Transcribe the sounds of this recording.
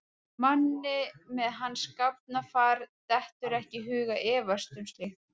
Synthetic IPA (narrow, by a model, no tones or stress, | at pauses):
manːɪmɛðɦanːskap̚nafaːɾt̪ɛht̪ʏɾɛhcɪɦʏːɣaʔɛːvast̪ʏmst̪lex